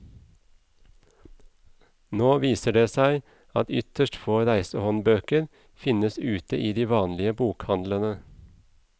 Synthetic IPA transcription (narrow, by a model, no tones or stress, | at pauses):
noːʋiːsəɖeːsæɪ | ɑt̪ʏt̪əʃʈfoːɾæɪsəhɔnbøːkəɾ | fɪnəsʉːt̪əʔiːd̪iːʋɑːnlɪəbuːkhɑnd̪lənə